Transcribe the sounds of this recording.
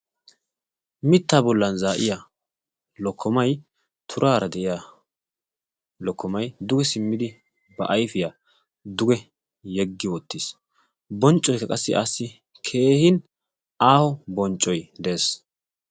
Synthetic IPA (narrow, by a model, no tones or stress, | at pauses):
mɪt̪ːaːbɔlːɐnzaːʔɪja | lɔkʰːɔmɐj | t̪ʰʊɾʔaːɾɐd̪ɛʔɪja | lɔkːɔmɐjd̪ʊɡɛsɪmːɪd̪ɪ | bɐʔɐjfɪja | d̪ʊɡɛ | jɛɡːɪwɔt̪ːis | bɔnt͡ʃʼːɔjkːɐkʼɐsːɪʔasːɪ | kʰe̞ːhɪn | aːhɔbɔnt͡ʃʼːɔjd̪ɛʔeːs